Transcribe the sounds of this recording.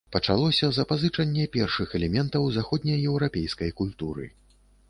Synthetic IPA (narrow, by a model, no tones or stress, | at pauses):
pɐt͡ʂalˠɔsʲɐzɐpazɨt͡ʂɐnʲːɛpʲɛrʂɨxɛlʲɛmʲɛnt̪ɐwzaxɔd̪ʲnʲɐjɛwɾapʲɛjskɐjkulʲt̪uɾɨ̰